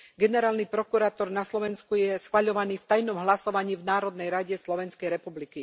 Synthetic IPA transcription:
ɡɛnɛɾaːlnipɾɔkuɾaːt̪ɔɾnaslɔʋɛnskujɛsxʋaʎɔʋaniːft̪ajnɔmɦlasɔʋaɲiːvnaːɾɔd̪nɛjɾaɟɛslɔʋɛnskɛjɾɛpubliki

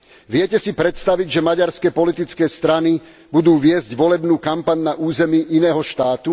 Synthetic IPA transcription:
ʋɪɛcɛsipɾɛt̪st̪aʋiɟʒɛmaɟaɾskɛpɔlit̪it͡skɛːst̪ɾani | bud̪uːʋɪɛzɟʋɔlɛbnuːkampaɲnaʔuːzɛmiːʔinɛːɦɔʃt̪aːt̪u

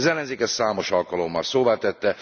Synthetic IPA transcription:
zɛlːɛnzeːkɛssaːmo̞ʃɒlkɒlo̞mːɒlsoːvaːt̪ɛt̪ːɛ

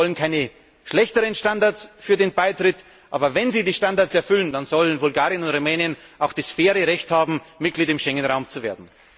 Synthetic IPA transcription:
ɔlənkʰaɪnə | ʃlɛçtəʁənʃtandaɐsfyːɐdeːnbaɪtʁ̥ɪt | ʔaːbɐvɛnziːdiːʃtandaɐtsɛɐfʏlənd̥anz̥ɔlənvʊlɡaːʁjənʊntʁumɛːnjənʔaʊxd̥asfeːʁəʁɛçthaːbm̩mɪt̚ɡ̥liːdɪmʃɛŋənʁaʊmt͡suveːɐdn̩

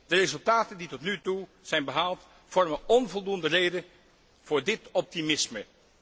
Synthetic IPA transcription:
d̥ərezɵlˠtaːtənditɔtnytu | z̥ɛjnbəɦaːlˠt | fɔɹməɔnvɔlˠdundərejdə | v̥ʊːɹdɪtɔp̚timɪsmə

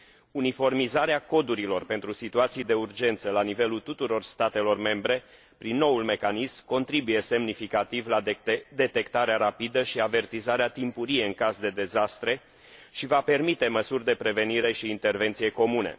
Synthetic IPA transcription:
unifo̞rmizaɾeako̞d̪uɾilo̞rpe̞nt̪ɾusit̪uat̪sijd̪e̞urd͡ʒe̞nt̪səlanive̞lult̪ut̪uɾo̞rst̪at̪e̞lo̞rme̞mbɾe̞ | pɾinːo̞ulme̞kanismko̞nt̪ɾibuje̞se̞mnifikat̪ivlad̪et̪ed̪e̞t̪e̞kt̪aɾeaɾapid̪əʃiave̞rt̪izaɾeat̪impuɾijeɨŋkazd̪e̞d̪e̞zast̪ɾe̞ | ʃivape̞rmit̪e̞məsurʲd̪e̞pɾe̞ve̞niɾe̞ʃiːnt̪e̞rve̞nt̪sije̞ko̞mune̞̰

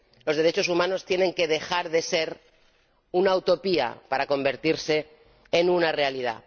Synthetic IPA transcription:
lo̞zð̞e̞ɾe̞t͡ʃo̞sumãno̞st̪je̞ne̞ŋke̞ð̞e̞xaɾðe̞se̞ɾ | unaut̪o̞pia̰paɾako̞mbe̞ɾt̪iɾse̞ː | nunare̞aliða̰

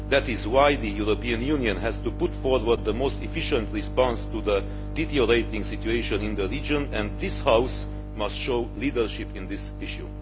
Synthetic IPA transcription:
ðætɪzwaɪðəjuɹopiɨ̃njuniə̃nɦɛz̥tupʊtfɔɹwəɹd̪̚ðəmostɛfɪʃə̃ntɹispɑ̃nstuðə | ditiəɹeɪtɪ̃ŋsɪtjueɪʃə̃nɪ̃nd̪əɹid͡ʒə̃nɛ̃nd̪ðɪshaws | mʌstʃoʊlidə˞ʃɪpɪ̃nd̪ɪs | ɪʃjṵ

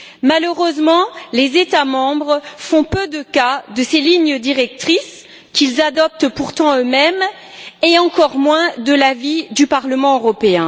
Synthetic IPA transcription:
maløʁøzmɑ̃lezet̪amɑ̃bʁfɔ̃pød̪əkad̪əseliɲəd̪iʁɛk̚t̪χis | kʲilzad̪ɔp̚t̪puʁt̪ɑ̃ømɛm | eɑ̃kɔʁmwɛ̃d̪əlavid̪ypaʁləmɑ̃øʁɔpeɛ̃

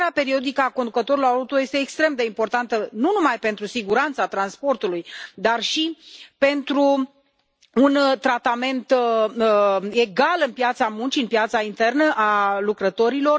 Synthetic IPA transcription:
eapeɾio̞d̪ikəakond̪ukət̪o̞ɾilo̞ɾaut̪oje̞st̪e̞ːkst̪ɾe̞md̪e̞impo̞rt̪ant̪ənunumajpe̞nt̪ɾusiɡuɾant̪sat̪ɾanspo̞rt̪ulujd̪arʃipe̞nt̪ɾu | nt̪ɾat̪ame̞nt̪ | e̞ɡalɨnpjat̪samunt͡ʃiɨnpjat̪saint̪e̞rnəʔalukɾət̪o̞ɾilo̞r

